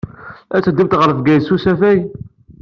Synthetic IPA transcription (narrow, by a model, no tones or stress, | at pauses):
æt͡sːəd̪ːibt̪ʁəɾəfɡæjsusæfæj